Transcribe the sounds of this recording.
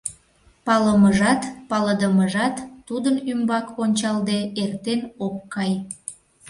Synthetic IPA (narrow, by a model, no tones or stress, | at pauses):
pɑləməʒɑt̪pɑləd̪əməʒɑt̪ːud̪ənymbɑkonʲt͡ɕɑld̪eert̪enokːɑj